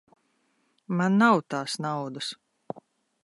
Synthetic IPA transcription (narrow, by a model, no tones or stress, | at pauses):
manːawt̪aːsnawd̪us